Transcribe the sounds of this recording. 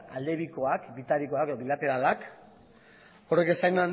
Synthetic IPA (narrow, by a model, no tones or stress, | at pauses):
a̰ld̪e̞βiko̞akbit̪aɾiko̞akeoβilat̪e̞ɾalak | o̞reke̞sajnan